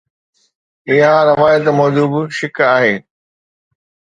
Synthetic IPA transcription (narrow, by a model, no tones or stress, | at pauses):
ɪɦãɾɐʋaːjət̪mɔːd͡ʑuːbʃɪkaːɦeː